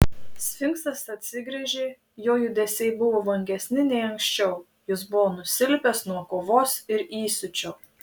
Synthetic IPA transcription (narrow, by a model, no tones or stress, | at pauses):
sʲfʲɪŋkst̪ɐsɐt̪ʲsʲɪɡɾʲɛʒʲeː | joːjʊd̪ʲɛsʲɛɪbʊʋoːʋɐŋʲɡʲɛsʲnʲɪnʲɛɪɐŋksʲt͡ʃʲɛʊ | jɪs̬bʊʋoːnʊsʲɪlʲpʲɛsnuɔkoːʋoːsɪɾiːsʲʊt͡ʃʲo